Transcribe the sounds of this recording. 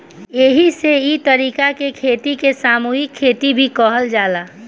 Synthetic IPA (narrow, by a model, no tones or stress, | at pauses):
jeɦiseit̪əɾiːkakekʰeːt̪ikesaːmuːɦɪkʰːeːt̪ibʱikɔɦəld͡ʒaːlaː